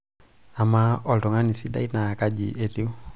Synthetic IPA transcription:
a˨ma˦ɔ˨ltɔ˨ŋa˦ni˨si˦da̰˦i˦na˨ka˦ɟi˨ʔe˨ɾi˦u˦

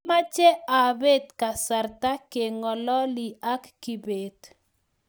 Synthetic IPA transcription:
ma˦t͡ʃɛ˦a˨be˦t̪ka˨sa˨rta˦ke˨ŋɔ˨lɔ˦li˨a˦kːi˨be˨d̪̥

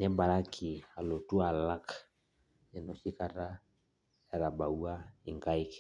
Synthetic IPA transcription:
nɛ˦ba˨ɾa˦kʰi˨a˨lo˨tu˦a˨la˦k | ɛ˨no˨si˦ka˨ɾa˦ | ja˨ɾa˨ba˨u˦a˦i˨ŋka˦i˦k

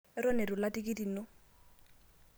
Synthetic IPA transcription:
ɪ˦ɾɔ˦ne˨ɾʊ˨la˦tʼi˦ki˦ti˨˦no˦

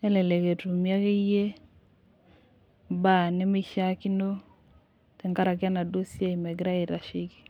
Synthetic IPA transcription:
ɛ˦lɛ˨le˨ke˨tu˨mja˦ke˦je˦ | ba˨nɪ˦mɪ˦ʃa˦ki˦no˦ | tɛ˨ŋka˦ɾa˨ka˦na˨do˦sja˦i˨mɛ˨ɡɾa˦ɪ˨ɾa˨ʃɪ˦ki̥˨

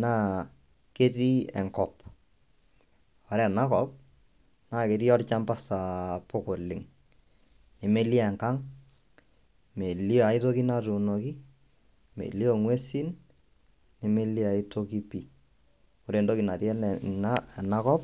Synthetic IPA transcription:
naː˦ | ke˦ti˦ɛ̰˨ŋkɔ˨p | ɔ˨ɾɛ˨na˦kɔp̚ | naː˦˨ke˨ɾi˦ɔ˦ɾt͡ʃa˦mpa˦sa˨pʊ˦kʊ˨lɪ˨ŋ | nɪ˨me˦li˦ɛ˨ŋka˦ŋ | me˨li˦a˨i˦to˦ki˦na˦tu˨no˨ki˦ | mḛ˨li˦o˨ŋwe˦si˦n | nɪ˨me˦li˦a˨i˦to˦ki˦pi˨ | ɔ˨ɾe˨ndo˦ki˨na˨ti˦ɛ˦nna˦˨na˦kɔ˦p̚

